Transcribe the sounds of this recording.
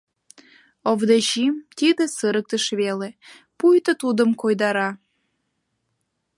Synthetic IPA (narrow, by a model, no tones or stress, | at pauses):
ovd̪eʑimt̪id̪ə̆sɨɾək̚t̪əʃβele | pujt̪ət̪ud̪ə̆mkojd̪ɑɾɑ